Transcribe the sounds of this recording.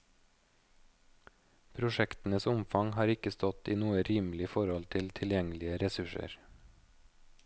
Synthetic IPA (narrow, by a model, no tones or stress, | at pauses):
pʰɾʊʃɛkt̪n̩əsʊmfɑŋhɑːɾɪkəst̪ɔt̪iːnuːəɾiːmlɪfɔɾɔlt̪ʰɪlt̪ʰɪljɛŋlɪəɾɛsʉʃə̰ɾ